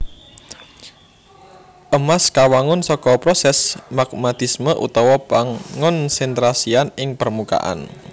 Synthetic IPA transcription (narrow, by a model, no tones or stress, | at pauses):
ʔəmaskawaŋʊnsɔkɔpɾɔsɛsmaɡ̚mat̪ɪsməʔṵt̪ɔwɔpaŋʊnsɛnt̪ɾasianɪŋpərmuka̰ʔa̰n